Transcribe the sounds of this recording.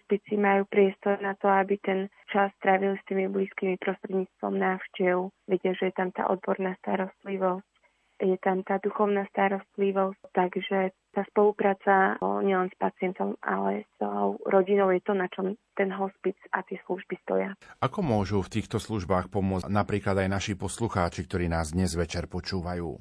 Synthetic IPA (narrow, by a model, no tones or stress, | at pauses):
ɦspit͡simajuːpɾɪɛst̪ɔɾnat̪ɔabit̪ɛn | t͡ʃasːt̪ɾaʋilst̪iːmibliːskiːmipɾɔst̪ɾɛd̪ɲiːt͡st̪ʋɔ̰mnaːʊʃcɛʊʋɛɟɪaʒɛjɛt̪amt̪a̰ːʔɔ̰d̪̚bɔɾnast̪aɾɔst̪liʋɔsc | jɛt̪amt̪aːd̪uxɔʊnast̪aɾɔst̪liʋɔsct̪aɡʒɛ | t̪aːspɔlupɾaːt͡saɲɪɛlɛnspat͡sɪɛnt̪ɔma̰lɛsɔʊɾɔɟinɔʊjɛt̪ɔnat͡ʃɔmt̪ɛnɦɔspit͡sa̰t̪ɪɛsluʒbist̪ɔ̰jaʔakɔmʊɔʒuːft̪iːxt̪ɔsluʒbaːxpɔmʊɔnapɾiːklad̪ajnaʃipɔsluxaːt͡ʃikt̪ɔɾiːnaːzd̪ɲɛzʋɛt͡ʃɛɾpɔt͡ʃuːʋajṵː